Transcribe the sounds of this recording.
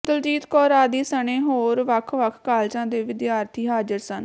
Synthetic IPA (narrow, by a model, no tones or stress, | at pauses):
t̪əld͡ʒiːt̪kɔːɾaːd̪iːsəɳẽːɦoːɾʋəkʰʋəkʰkaːlt͡ʃãːd̪eːʋɪd̪jaːɾt̪ʰiːɦaːd͡ʒəɾsən